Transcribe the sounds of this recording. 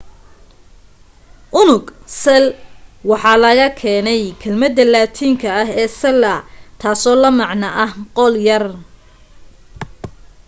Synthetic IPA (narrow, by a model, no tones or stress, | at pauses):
ʔʊnʊɡsɛlwɑħɑːlɐɣɐkʰɛːnɛjkʰɐlmɐd̪ːɐlaːt̪ʰiːŋkʰɐɐɦɛːsɐlɐt̪ʰaːsɔːlɐmɑʕnɐʔɐhqɔljɐr